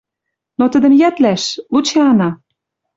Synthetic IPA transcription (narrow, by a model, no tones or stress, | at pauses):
not̪ə̆d̪ə̆mjæt̪læʃlut͡ɕeɑnɑ